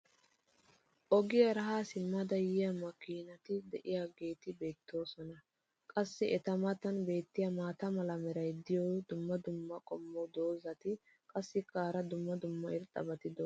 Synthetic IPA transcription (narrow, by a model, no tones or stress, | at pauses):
ʔɔɡɪjɐɾɐɦaːsɪmːɐd̪ɐjɪjɐmɐkiːnɐt̪ɪd̪ɛʔɪjaːɡe̞ːt̪ɪbe̞ːt̪ʰːo̞ːsɔnɐ | kʼɐsːɪʔɛt̪ɐmɐt̪ɐnbe̞ːt̪ːɪjɐmaːt̪ɐmɐlɐmɛɾɐjd̪ɪjɔd̪ʊmːɐd̪ʊmːɐkʼɔmːɔd̪o̞ːzɐt̪ɪ | kʼɐsːɪkʼaːɾɐd̪ʊmːɐd̪ʊmːɐɪɾt̪ʼːɐ̰bɐt̪ɪd̪ɔ